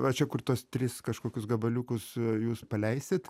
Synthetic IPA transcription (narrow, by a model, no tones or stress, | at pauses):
ʋɐt͡ʃʲɛkʊrt̪uɔst̪ʲɾʲɪskɐʃkoːkʲʊsɡɐbɐlʲuːkʊsjuːspɐlʲɛɪsʲɪt̪